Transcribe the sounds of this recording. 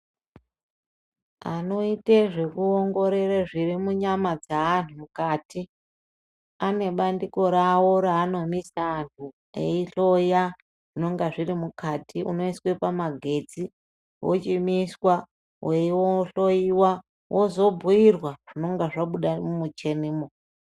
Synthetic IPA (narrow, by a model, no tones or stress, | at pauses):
a̰no̞iteʐe̞kuoŋɡo̞ɾe̞reʐirimuɲamad͡zaːntumukatʰi | ane̞ɓandiko̞ɾawo̞ɾaːno̞misaːntʰu | ḛiɬoja | ʐino̞ŋɡaʐirimukatʰiṵno̞iswepamaɡʱe̞d͡zi | wʔo̰t͡ʃimiswa | wewoɬo̞iwa | wʔozo̞bʱuirwaʐ̥ino̞ŋɡaʐaɓuɗamumut͡ʃe̞niːmo